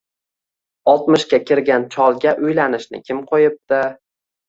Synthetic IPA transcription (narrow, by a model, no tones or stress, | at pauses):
ɒlˠt̪mɪʃkʲakʲɪɾɡʲant͡ʃʰɒlˠɡʲaʔʊjlanɪʃnɪ̰kʲʰɪmqʰojɪp̚d̪ɪ